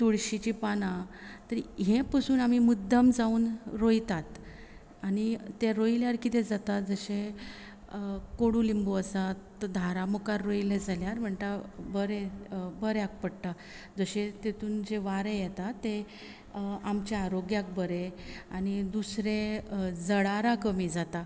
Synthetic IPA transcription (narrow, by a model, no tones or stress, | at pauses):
t̪uɭɕit͡ɕipanãt̪əɾiɦẽpəsuːnam̤imud̪ʱːəmd͡zauːnɾojt̪at̪ | añit̪eɾojljaɾkit̪ed͡zat̪ad͡zəɕẽ | koɽuːlimboəsat̪d̪ʱaɾamukaɾːoiled͡zʱaljaɾm̤əɳt̪abəɾebəɾjak̚pəɽʈ̪a | d͡zəɕet̪et̪uːnd͡ʑeʋaɾẽjɛt̪at̪ːe | amt͡ɕaaɾoɡjak̚bəɾeañid̪usɾed͡zəɽaɾakəmiːd͡zat̪a